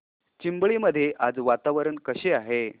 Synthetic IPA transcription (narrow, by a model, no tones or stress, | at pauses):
t͡ɕimbɭiːməd̪ʱːjeʔad͡zʋat̪aʋəɾənkəɕeaɦe